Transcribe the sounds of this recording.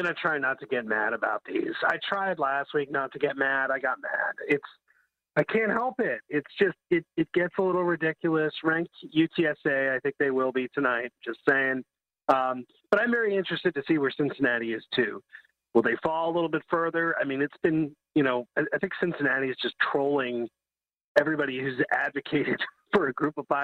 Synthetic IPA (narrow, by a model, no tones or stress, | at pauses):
ʌ̃nɨtʰɹ̥aɪnətʰɨɡɛt̚mæ̰ɾɨba̰ʊt̪̚ðḭz̥a̰ɪtʰɹ̥aɪdˡlæst̚wik̚nətʰɨɡɛt̚mæɾaɪɡɑt̚mæ̰d̥ɪts | aɪkʰæ̃nʔ̚hɛlˠpɪt̚ɪtsd̥ʒ̥ʌst̚ɪt̚ɨt̚ɡ̥ɛtsəlɪɾl̩ˠɹɨdɪkjl̩ˠəsɹæ̃ŋkjʉtʰiɛseɪaɪθɪ̃ŋk̚ðeɪwɪlˠbitʰɨnaɪt̚d̥ʒ̥ʌstseɪɪ̃ŋ | ʌ̃m | b̥ʌɾãɪ̃ɱvɛɹiɪ̃nt͡ʃɹ̥ɨstɨd̚tɨsiwə˞sɪ̃nsɨnæɾiɨz̥tʰʉ | wəlˠðeɪfɔlˠəlɪɾl̩ˠbɪtfɜ˞ðə˞aɪmĩnɨtsb̥ɨ̃njɨñoʊaɪaɪθɪ̃ŋksɪ̃nsɨnæɾiɨzd͡ʒʌstʰɹ̥oʊlˠɪ̃ŋ | ɛvɹibɑɾihʉzædvɨkʰeɪɾɨd̥ | fə˞ɨɡɹʉpʌv̥faɪ